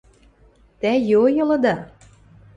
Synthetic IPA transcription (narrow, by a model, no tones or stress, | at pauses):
t̪æjojɤ̆lɤ̆d̪ɑ